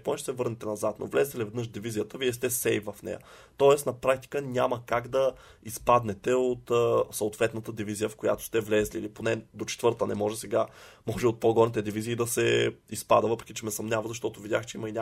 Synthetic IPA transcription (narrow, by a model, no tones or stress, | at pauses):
ponɛt͡ʃɛsɛvɤɾnɛt̪ɛnɐzat̪nʔo̰vlɛzɛt̪ɛlivɛd̪nɤəʃd̪ivizijət̪əviɛst̪ɛsɛjvɐfnɛ̰jə̰t̪ɔɛsnɐpɾak̚t̪i̥kənʲaməkaɡd̪ɐispad̪nɛt̪ɛot̪ːsoot̪vɛt̪nət̪əd̪ivizijəfkoja̰t̪o̥st̪ɛvlɛzlḭliponɛd̪ot͡ʃɛ̥t̪vɤɾt̪ənɛmɔʒɛsɛɡamɔʒɛot̪̚poɡɔɾnit̪ɛd̪iviziːd̪ɐsɛispad̪əvɤpɾɛ̥kʲit͡ʃɛmɛsɐmnʲavəzɐʃt̪ɔt̪ʊvid̪ʲjaxt͡ʃɛiməinʲa